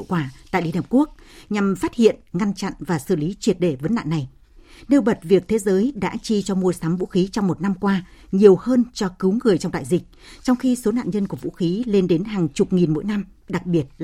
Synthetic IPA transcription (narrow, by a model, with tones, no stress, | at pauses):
wkwaː˧˩t̪a̰ː˧˨jli˧˩˨hə˨˩p̚ku˦˥ək̚ɲa˨˩mfaː˦˥t̚hḭ˧˨ənŋa˧nt͡ɕa̰˧˨nvaː˨˩sɨ˧˩li˨˦t͡ɕwi˨˩ət̚ɗe˧˩və˨˦nːa̰ː˧˨nːa˨˩j | ne˧wɓə˨˩t̚vi˨˩ək̚t̪ʰe˨˦zəː˨˦jɗa̰ː˧˥t͡ɕi˧t͡ɕɔ˧mu˧əsa˨˦mvṵ˧˥xi˨˦t͡ɕɔ˧wŋ͡mmo˨˩t̚na˧mkwaː˧ | ɲi˨˩əwhəː˧nt͡ɕɔ˧kɨ˨˦wŋɨ˨˩əjt͡ɕwŋ͡mɗ̪a̰ː˧˨zï˨˩k̚t͡ɕɔ˧wŋ͡mxi˧so˨˦na̰ː˧˨nɲə˧nku˧˩əvṵ˧˥xi˨˦le˧nɗe˨˦nɦaː˨˩ŋt͡ɕʊ˨˩k͡p̚ŋi˨˩nmo̰˧˥jna˧m | ɗa˨˩k̚ɓi˨˩ət̚